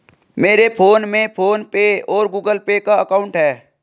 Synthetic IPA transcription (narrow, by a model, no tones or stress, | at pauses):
meːɾepʰoːnmẽpʰoːnpeɔːɾɡuːɡəlpekaəkaːʊ̃ɳʈɦɛː